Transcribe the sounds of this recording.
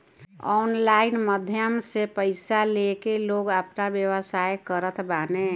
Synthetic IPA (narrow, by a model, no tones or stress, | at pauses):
ɔnlaɪnməd̪ʱjəmsepəɪsalekeloːɡəpnabjəwəsajkəɾət̪ʰbane